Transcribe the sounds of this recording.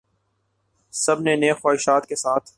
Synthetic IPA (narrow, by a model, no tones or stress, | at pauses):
sɐbneneːxaːɪʃaːt̪kesaːt̪ʰ